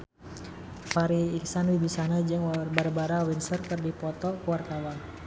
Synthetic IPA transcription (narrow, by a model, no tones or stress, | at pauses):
paɾiːksanwibisanad͡ʒɨŋwbaɾabaɾawinsərkɨrdipɔt̪ɔkuwart̪awan